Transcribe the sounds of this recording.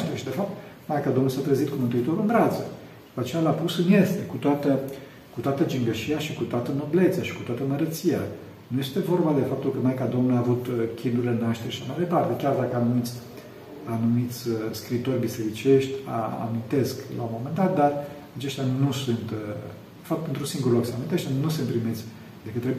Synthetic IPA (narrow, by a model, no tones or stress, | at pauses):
ʃt̪eɾʃid̪e̞fap̚t̪majkad̪omnulsat̪ɾəzit̪kumɨnt̪uit̪o̞ɾuɨnvɾat̪sə | d̪̥upat͡ʃejalapusɨnjest̪ekut̪oat̪ə | kut̪oat̪əd͡ʒiŋɡəʃiaʃikut̪oat̪ənoble̞t̪saʃi̥kut̪oat̪əməɾət̪sija̰ | nuje̞st̪e̞vo̞rbad̪e̞fap̚t̪ulkəmajkad̪o̞mnuaːvut̪kʲʰind̪uɾʲlenaʃt̪eɾeʃaʃamajd̪e̞part̪e̞kʲard̪akəanumit̪sʲ | anumit̪sʲəskɾit̪o̞rʲbise̞ɾit͡ʃe̞ʃt̪ʲa̰a̰mint̪e̞skla̰unmo̞mend̪at̪̚d̪ar | at͡ʃe̞ʃt̪ʲjanusunt̪ | fak̚t̪ent̪ɾusiŋɡuɾlokseamint̪eʃt̪ʲanusɨnt̪pɾimet̪sʲ | d̪e̞kɨt̪ɾe